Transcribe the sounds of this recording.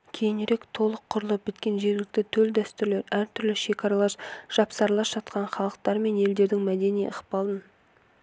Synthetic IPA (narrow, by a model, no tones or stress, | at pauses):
kʲʰe̞jɪneɾe̞kt̪ʰo̞lˠəqʰːʊɾəlˠəp̚bɪt̪kʲe̞nʒe̞ɾɡʲɪlɪk̚t̪ɪt̪ʰɵld̪æst̪ʏɾle̞ɾæɾt̪ʰʏɾlɪʃe̞kʰɑɾɑlˠɑɾʒ̥ɑpsɑɾlˠɑpʒ̥ɑt̪qɑnχɑlˠəq̚t̪ɑɾme̞ne̞ld̪e̞ɾd̪ɪŋmæd̪e̞nij̰əχpɑlˠən